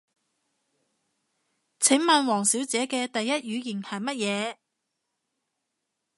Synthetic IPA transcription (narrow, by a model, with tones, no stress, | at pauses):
t͡sʰɪ˨˥ŋmɐ˨nwɔː˨˩ŋsiː˨˥wt͡sɛː˨˥kɛː˧t̪ɐ˨jːɐ˥t̚jyː˨˧jɪ˨˩nhɐ˨˩jmɐ˥t̚jɛː˨˧